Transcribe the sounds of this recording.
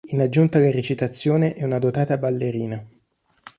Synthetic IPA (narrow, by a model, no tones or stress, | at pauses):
inad͡ʒːunt̪alaɾet͡ʃit̪at̪sːjoːneʔɛunad̪ot̪aːt̪abalːeɾiːna